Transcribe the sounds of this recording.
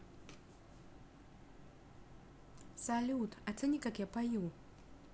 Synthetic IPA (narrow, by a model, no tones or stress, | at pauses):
salʲutʰatʰɨnikʼakjapʰaju